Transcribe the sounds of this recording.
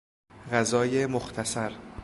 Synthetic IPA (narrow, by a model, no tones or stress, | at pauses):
ɢæzɒːjemoxt̪ʰæsæɾ